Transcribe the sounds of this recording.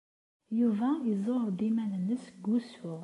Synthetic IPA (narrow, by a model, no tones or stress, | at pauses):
juvæizˤoɾˤd̪imænənːəsɡusʊʁ